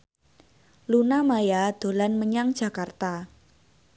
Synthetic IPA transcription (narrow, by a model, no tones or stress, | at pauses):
lunamajad̪̥o̤lanməɲaŋd͡ʒ̥a̤kart̪a